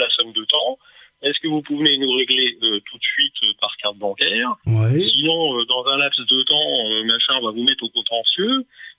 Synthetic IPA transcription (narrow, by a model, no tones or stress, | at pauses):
lasɔmd̪ət̪ɑ̃ | ɛskəvupuvnenuʁeɡleøt̪ʰut̪sɥit̪ʰøpaʁkaʁt̪̚bɑ̃kʲɛːʁwɛsinɔ̃ød̪ɑ̃zɛ̃lapsd̪ət̪ɑ̃ømaʃɛ̃vavumɛt̪χokɔ̃t̪ɑ̃sjø